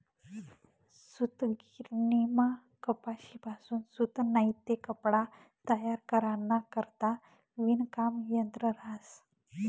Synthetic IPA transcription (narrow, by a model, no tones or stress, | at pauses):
sut̪ɡiɾnima | kəpaɕipasuːnsut̪najt̪ːekəpɽa | t̪əjaɾkəɾanːakəɾt̪a | ʋinkamjənt̪ɾəɾas